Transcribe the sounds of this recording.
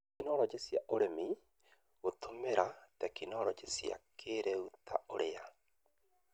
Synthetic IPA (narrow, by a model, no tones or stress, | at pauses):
inɔɾɔt͡ʃesjaʔoɾemi | ɣotomeɾatɛkinɔɾɔt͡ʃesja̰kʰeɾɛuta̰oɾea